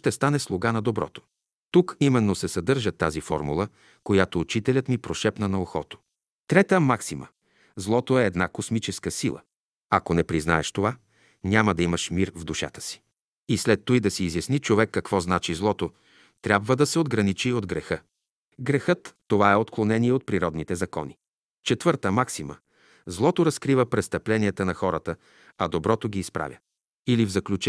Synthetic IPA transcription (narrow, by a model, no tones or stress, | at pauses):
ʃt̪ɛst̪anɛslˠoɡanɐd̪obɾɔ̰t̪o̥ | t̪ukimɛnːosɛsɐd̪ɤɾʒət̪azifɔ̰ɾmṵlˠə | kojat̪oːt͡ʃit̪ɛlʲət̪mipɾoʃɛpnɐnɐoxɔt̪o̥ | t̪ɾɛt̪əmaksimə̰ | zlˠɔt̪oɛːd̪nakosmit͡ʃɛskəsilˠə̰ | ɐkonɛpɾizna̰ɛʃt̪ova | ɲʲaməd̪ɐimɐʃmiɾvd̪uʃa̰t̪ə̥si̥ | islɛt̪ːujd̪ɐsiːzjɐsnit͡ʃovɛkːɐkv̥ɔznat͡ʃizlˠɔt̪o | t̪ɾʲjabvəd̪ɐsɛod̪ɡɾɐnit͡ʃiod̪ɡɾɛxə | ɡɾɛxɤt̪ːovaɛot̪klˠonɛniɛot̪̚pɾiɾɔd̪nit̪ɛzɐkɔ̰ni | t͡ʃɛt̪v̥ɤɾt̪əmaksimə̰ | zlˠɔt̪oɾɐskɾivəpɾɛst̪ɐplɛniɛt̪ənɐxɔɾət̪ə | ɐd̪obɾɔt̪oɡiːspɾa̰vʲjə | ilivzɐklʲut͡ʃ